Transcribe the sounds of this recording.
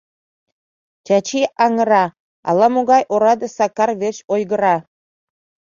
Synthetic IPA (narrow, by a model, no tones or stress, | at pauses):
t͡ɕɑt͡ɕiʔɑŋə̆ɾɑ | ɑ̰lɑmoɣɑjʔoɾɑd̪ɑsɑkɑrβeɕojɣə̆ɾɑ